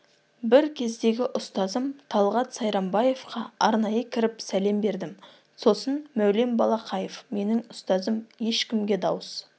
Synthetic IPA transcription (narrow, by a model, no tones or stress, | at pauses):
bɪɾkʲʰe̞zd̪e̞ɡʲɪʔʊst̪ɑzəmt̪ʰɑlˠʁɑt̪sɑjɾɑmbɑje̞fqɑɑɾnɑjəkʲʰɪɾɪpsæle̞mbe̞ɾd̪ɪm | so̞sənmæwle̞mbɑlˠɑqʰɑje̞fme̞nɪŋʊst̪ɑzəmje̞ʃkʲɪmɡʲe̞d̪ɑwəs